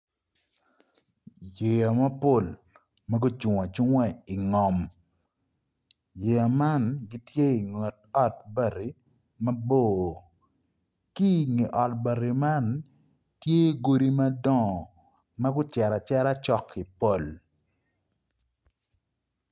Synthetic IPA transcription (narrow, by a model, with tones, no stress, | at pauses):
je˨ja˨mɐ˦po˦˨l | mɐ˦ɡʊ˦t͡ʃu˨ŋa˨t͡ʃʊ˦ŋwɛ˦i˨ŋɔ˨m | je˨ja˨ma˦nɡi˦tje˦i˨ŋɛ˨t̚ɔ˦t̚ba˨ɾi˨ | mɐ˦boː˦˨ | ki˦ŋi˨ʔɔ˨t̚ba˨ɾi˨ma˦n | tje˦˨ɡo˦ɾi˦mɐ˦dɔ̃˦˨ | mɐ˦ɡʊ˦t͡ʃɛ˨ɾa˨t͡ʃɛ˦ɾa˦t͡ʃɔ˦kːi˨po˦˨l